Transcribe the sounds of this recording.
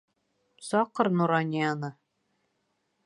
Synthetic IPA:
sɑqɤ̆ɾnuɾɑnʲanɤ

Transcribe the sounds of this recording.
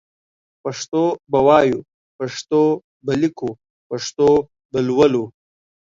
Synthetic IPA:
pɐʂt̪obɐwɑːju | pɐʂt̪o | bɐliko | pɐʂt̪o | bɐlwɐlo

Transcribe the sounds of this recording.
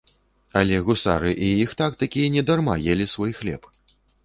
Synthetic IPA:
alʲɛɣusa̰ɾɨʔiixt̪akt̪akʲijɛnʲɛd̪arma̰jɛlʲisvɔjxlʲɛ̰p

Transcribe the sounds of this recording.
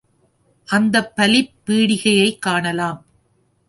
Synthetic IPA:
ʔɐnd̪ɐpːɐlɪpːiːɽɪɣɐjɐɪkːaːɳɐlaːm

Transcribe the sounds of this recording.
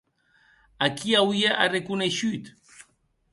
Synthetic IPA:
akiawjaʔarekuneʃujt̪

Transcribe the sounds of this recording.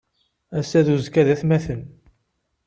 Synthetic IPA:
æsæðuzkæðæθmæθən

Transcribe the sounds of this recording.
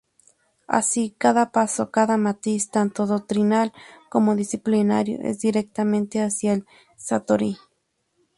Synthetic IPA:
a̰sikaðapasokaðamat̪ist̪ant̪oðok̚t̪ɾinalkomoðisiplinaɾjo̰ʔḛs̬d̪iɾek̚t̪amẽnt̪easjael | sat̪oɾi

